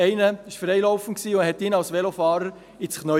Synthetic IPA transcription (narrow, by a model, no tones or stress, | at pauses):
ɛɪnəɪʃfɾɛɪlɔwfən̩t̚ksiːʊhɛt̪ɪnɑlsʋɛlofɑːɾəɾ | ɪt͡sχnœ